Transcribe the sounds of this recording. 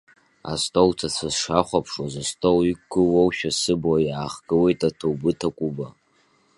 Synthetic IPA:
a̰stʼowt͡sʰat͡sʰazʂaχʷapʰʂwazastʼowikːɨwowʃᶣasɨblajaːχɡɨwe̞jtʼatʰowbɨtʰakʷʼuba

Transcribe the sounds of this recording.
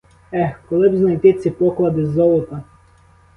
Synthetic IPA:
ɛkɔlˠɪbznɐjt̪ɪt̪sʲipɔklˠɐd̪ɪzɔlˠɔt̪ɐ

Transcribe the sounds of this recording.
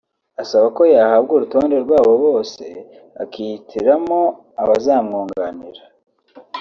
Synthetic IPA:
asaβako̞jaːhabɡuɾuto̞ːnde̞ɾɡwaːβo̞βo̞ːse̞̰ | a̰kiitʰiɾamo̞ | aβazaːmŋoːŋɡanḭɾa

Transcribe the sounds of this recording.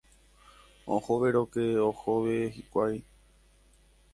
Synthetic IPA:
õ̰hoʋe̞ɾo̞keohoʋehikʷaj

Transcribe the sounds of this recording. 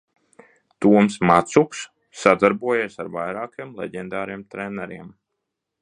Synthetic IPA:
t̪uɔmsmat̪suksː | ad̪aɾbuɔjeːsaɾvajɾaːkiɛmlˠɛ̰ɟɛnd̪aːɾiɛmt̪ɾenɛɾiɛm

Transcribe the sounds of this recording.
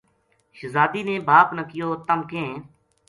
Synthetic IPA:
ʃəzaːd̪iːneːbaːpnəkɪjoːt̪əmkẽː

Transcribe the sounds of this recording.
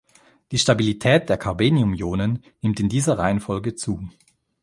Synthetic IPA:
d̥iːʃtabilitʰɛːt̚d̥eːɐkʰaɐbeːniʊmjoːnənːɪmtɪndiːzɐʁaɪənfɔlɡət͡suː

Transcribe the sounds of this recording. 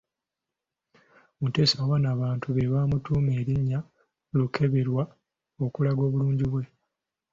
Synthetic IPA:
mute̞ːsawanaːβaːntʰuβeβaːmutuːme̞ːɾiɲːa | lukʰe̞βe̞ɾwa | o̞kulaɡo̞ːβuluːɲɟiβwe̞

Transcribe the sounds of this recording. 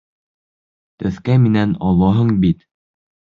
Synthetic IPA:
t̪ɘ̆θkæminænɒlˠɑɦɤɴbit̪

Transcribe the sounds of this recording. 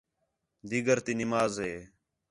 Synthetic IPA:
d̪iɡəɾt̪iːnɪmaːzɦeː

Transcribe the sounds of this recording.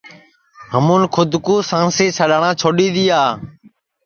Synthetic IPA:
ɦəmũːnkʰʊd̪ʱkuːsãːseːt͡ʃʰəɗaːɳãːt͡ʃʰoːɗiːd̪iːaː

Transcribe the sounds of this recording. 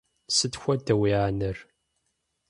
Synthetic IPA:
sət̪ːçʷæt̪ːæwiʕanəɾ

